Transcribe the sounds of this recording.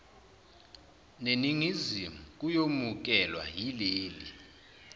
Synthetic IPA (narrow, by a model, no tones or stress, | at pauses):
neniŋizimuk̬ʼujomuk̬ʼɛlwa̰ɦileːli